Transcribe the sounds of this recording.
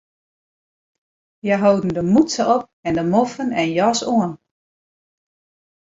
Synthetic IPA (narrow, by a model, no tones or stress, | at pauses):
jaɦowdən̩dəmutsəʔɔp̚ɛndəmofənɛnjɔsoən